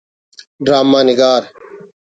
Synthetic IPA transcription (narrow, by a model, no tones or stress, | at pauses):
ɖɾaːmːaːniɡaːɾ